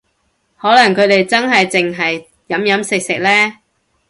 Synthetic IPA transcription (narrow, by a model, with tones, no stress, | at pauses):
hɔː˨˥lɐ˨˩ŋkʰɵ˨˧ɥɾe˨jt͡sɐ˥nɦɐ˨jt͡sɪ˨ŋɦɐ˨jː | ɐ˨˥mjɐ˨˥msɪ˨k̚sɪ˨k̚lɛː˥